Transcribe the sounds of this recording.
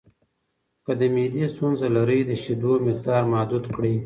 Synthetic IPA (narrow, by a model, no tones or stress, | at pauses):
kəd̪əmed̪ist̪unzalaɾəjd̪əʃid̪omɪq̚d̪ɑːɾmɑd̪ud̪kɽi